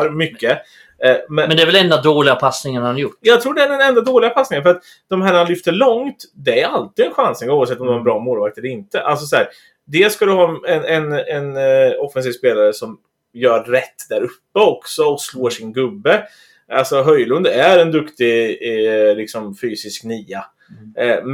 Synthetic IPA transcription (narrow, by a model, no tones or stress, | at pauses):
mʏkːə | mɛnmɛnd̪ɛɾvɛlɛnd̪ad̪oːlɪɡapʰasnɪŋənhanjʊʈːjɑːɡt̪ʰɾuːɖɛæɖɛnɛnd̪ad̪oːlɪɡapʰasnɪŋənfœɾat̪ | d̪̥ɔmɦæːɳaanlʏft̪əɭɔŋt̪d̪ɛæɾalt̪ɪɡ̪ɛnɧansnɪŋɡuːvavsɛt̪ːɔmd̪ɛhaɾɛbɾɑːmoːlvak̚t̪ɛlːəɾɪnt̪əʔals̬ɔshæːɾ | d̪ɛːskad̪ɛhɑːɛnɛnɛnɔfɛns̬iːvspeːlaɾəsɔm | jœːɾːɛt̪ːd̪æːɾɵpːəɔksɔɔksloːʂɪnɡɵbːə | alsɔɦœjlɵnd̪æɾɛnd̪ɵkt̪ɪ | lɪksɔmfyːsɪsknyːa | m